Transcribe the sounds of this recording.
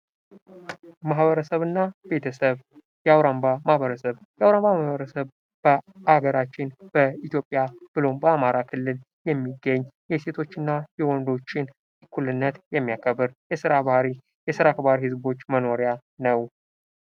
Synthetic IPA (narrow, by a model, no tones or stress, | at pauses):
maɦβəɾəsəβɨnːabe̞t̪ʰəsəβ | jɛawɾambamahbəɾəsəβjɛawɾambamahβəɾəsəβ | b̥əʔaɡəɾat͡ʃːɪnb̥əit̪jo̞pʼːjab̥ɨlo̞mbəamaɾakʰɨlːɨl | jɛmːiɡːəɲːjɛse̞t̪ʰo̞t͡ʃːɨnːajɛwɔnd̪o̞t͡ʃːɪn | kʰulɨnːət̪jɛmːijakʰəbːɨɾjɛsɨɾaβahɾi | jɛsɨɾakβaɾihɨzbo̞t͡ʃːməno̞ɾja | nəw